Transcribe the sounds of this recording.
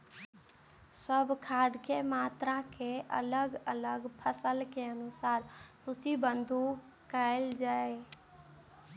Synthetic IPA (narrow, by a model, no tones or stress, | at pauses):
səbʱkʰad̪ʱkemat̪ɾakeʔə̰ləɡələɡpʰəsəlkeənusaɾsut͡ʃibənd̪ʱu | kəɪld͡ʒae